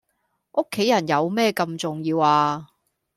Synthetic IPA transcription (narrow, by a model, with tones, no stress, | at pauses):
ʔʊ˥kʰːe˨˥jɐ˨˩njɐ˨˧wmɛː˥kɐ˧mt͡sʊ˨ŋjiː˧waː˧